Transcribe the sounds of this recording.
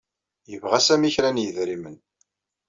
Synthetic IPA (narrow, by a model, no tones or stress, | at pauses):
jəvʁæsæmiçɾænjəðɾimən